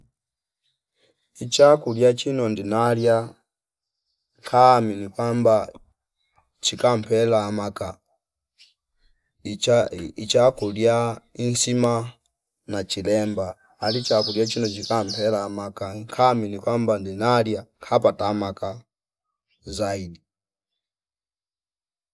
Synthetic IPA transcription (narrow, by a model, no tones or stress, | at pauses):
it͡ʃakuljat͡ʃinɔndinalja | ŋkʰaminikwamba | t͡ʃikam̩pɛlaːmaka | iait͡ʃakuljainsima | nat͡ʃilɛmbaː | lit͡ʃakuljat͡ʃinɔt͡ʃikam̩pɛlaːmakaŋkʰaminikwambandinaljaŋkʰapatamaka | zaidi